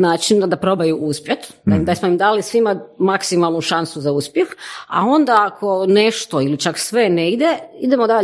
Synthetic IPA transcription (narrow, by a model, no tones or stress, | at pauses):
naːt͡ʃind̪apɾo̞bajuʔuspjet̪d̪aimd̪asmoimd̪aːlisʋimamaksimalˠnuʃansuzauspjexa̰o̞nd̪aakʰo̞neʃt̪oilit͡ʃaksʋe̞neɡd̪jeid̪emod̪aʎ